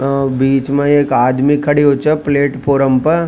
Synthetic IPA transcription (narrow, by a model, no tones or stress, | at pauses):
biːt͡ʃmẽeːkaːd̪mikʰɐɽiɦoːt͡ʃəpleːʈpʰoːɾəmpɐɾ